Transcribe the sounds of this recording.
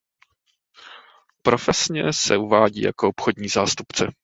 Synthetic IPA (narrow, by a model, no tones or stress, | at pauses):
pɾo̞fɛsɲɛsɛuvaːɟḭːja̰koopxodɲiːzaːst̪upt͡sɛ